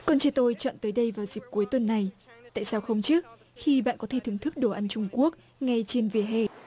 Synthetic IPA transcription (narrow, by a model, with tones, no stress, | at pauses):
kɔ˨˩nt͡ɕɛ˧t̪o˧jt͡ɕɔ̰ː˧˨nt̪əː˨˦jɗə˧jvaː˨˩wzi˨˩p̚ku˨˦əjt̪wə˨˩nːa˨˩jt̪a̰ː˧˨jsaː˧wxə˧wŋ͡mt͡ɕɨ˦˥k̚ | xi˧ɓa̰ː˧˨nkɔ˨˦t̪ʰe˧˩t̪ɨ˨˧˩əŋt̪ʰɨ˦˥k̚ɗo˧˩ʔa˧nt͡ɕʊ˧ŋ͡mku˦˥ək̚ | ŋa˧jt͡ɕe˧nvi˨˩əɦḛ˧˩